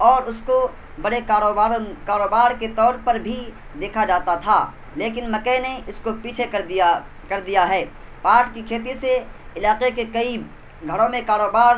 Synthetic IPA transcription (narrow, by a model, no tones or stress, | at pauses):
ɔːɾʊsko | bɐɽekaːɾoːbaːɾkaːɾoːbaːɾket̪ɔːɾpɐɾbʱi | d̪eːkʰad͡ʒaːt̪at̪ʰaː | leːk̬ɪnmɐkəneʊskopiːt͡ʃʰe | kɐɾd̪ijaɦɛː | paːʈkikʰeːt̪̬iseɪlaːqekekɐi | ɡʱɐɾõmẽkaːɾoːbaːɾ